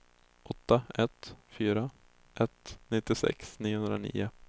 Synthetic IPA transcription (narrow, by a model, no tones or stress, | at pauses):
ʔɔt̪ːaɛt̪fyːɾa | ʔɛt̪nɪt̪ːɪsɛ̰ksniːʊhɵnd̪ɾanḭːʊ